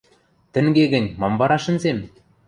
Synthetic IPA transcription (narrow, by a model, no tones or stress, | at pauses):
t̪ɘ̆ŋɡʲeɡɘ̆nʲmɑmbɑɾɑʃɘ̆nzem